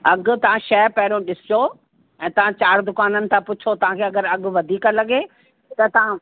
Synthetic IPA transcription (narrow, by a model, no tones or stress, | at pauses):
ɐɡ̆t̪ɐʋ̤ãʃɛːpɛɦɪɾõɗɪsɪjo | ɛ̃ːt̪ɐʋ̤ãt͡ɕaːɾd̪ʊkaːnənɪ̆t̪ʰãpʊt͡ɕʰot̪ɐʋ̤ãkʰeːɐɡəɾɐɡʊ̆ʋɐd̪ʱiːkəlɐɡe | t̪ɐt̪ɐʋ̤ã